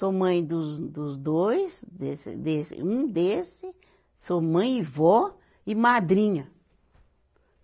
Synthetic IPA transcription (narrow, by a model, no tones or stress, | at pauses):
somɐ̃j̃d̪ʊzd̪ʊzd̪ojsd̪esɪ̰d̪esɪ̰ũd̪esɪ | somɐ̃j̃ɪvɔ | ɪmad̪ɾĩɲɐ